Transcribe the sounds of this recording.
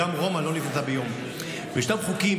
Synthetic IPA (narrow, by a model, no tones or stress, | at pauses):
amʁo̞malo̞nifzabejo̞m | veʃtabχuki